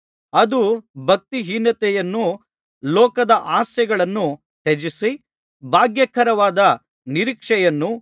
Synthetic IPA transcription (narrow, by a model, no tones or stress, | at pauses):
ɐd̪ubʱɐk̚t̪iɦiːnɐt̪ɛjɐnːu | lɔːkɐd̪ɐʔaːsjɐɡɐɭɐnːu | t̪ed͡ʒisi | bʱaːɡjɐkʰɐɾɐʋaːd̪ɐ | niɾikʂɛjɐnːu